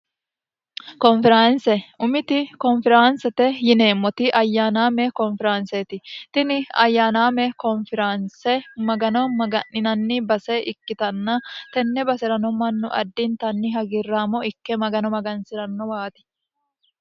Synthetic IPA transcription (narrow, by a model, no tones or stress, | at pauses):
kɔnfɛɾansɛʊmɪt̪ɪkɔnfɪɾansɛt̪ɛjɪne̞ːmːɔt̪ɪʔɐjːaːnaːmɛkɔnfɪɾanset̪ɪt̪ɪnɪɐ̰jːaːnaːmɛkɔnfɪɾansɛmɐɡɐnɔmɐɡɐnːɪnɐnːɪbɐsɛʔɪkːɪt̪ɐnːɐt̪ɛnːɛbɐsɪɾɐnɔmɐnːʊʔɐ̰d̪ːɪnt̪ɐnːɪɦɐɡɪrːaːmɔɪkːɛmɐɡɐnɔmɐɡɐnsɪɾɐnːɔwaːt̪ɪ̥